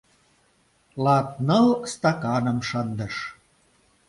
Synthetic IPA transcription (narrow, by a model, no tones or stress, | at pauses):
lɑt̪̚nɤlst̪ɑkɑnə̆mʃənd̪ə̆ʃ